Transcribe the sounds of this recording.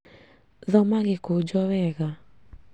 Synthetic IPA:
ðɔmaɣɪkod͡ʒɔwɛɣa

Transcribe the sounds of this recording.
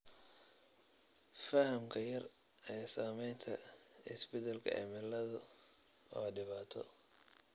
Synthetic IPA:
fɐhɐmkʰɐjɐr | ɛːsaːmɛjnt̪ʰɐɪsbɪt̪ɐlkʰɐ̰ʔɛ̰mɪlɐðɐ | ɔːɖɪβaːt̪ʰɔ̰

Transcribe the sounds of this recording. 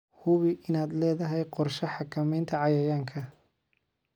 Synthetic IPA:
hʊβɪʔɪnaːd̪lɛːðɐɦɛjqɔrʃɐħɑkʰɐmɛjnt̪ʰɐʕɑjɐjaːŋkʰɐ

